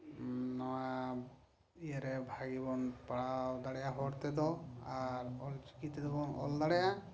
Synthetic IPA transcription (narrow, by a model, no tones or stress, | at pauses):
nɔwaa | ijaɾɛbʱaɡibɔnpaɽawd̪aɽɛjaɦɔɽt̪ɛd̪ɔaɾɔlt͡ʃi̥kit̪ɛd̪ɔbɔnɔ̰ld̪aɽɛja